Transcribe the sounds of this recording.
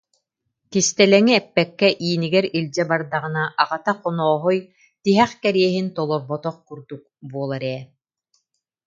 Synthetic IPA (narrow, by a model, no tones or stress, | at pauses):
k̪ist̪ɛlɛŋiɛpːɛkːɛʔiːniɡɛɾilʲd͡ʑɛbaɾd̪aʁɯnaʔaʁat̪aqɔnɔːɦɔj | t̪iɦɛχkɛɾiɛɦint̪ɔlˠɔɾbɔt̪ɔχkuɾd̪uk̚buɔlˠaɾɛː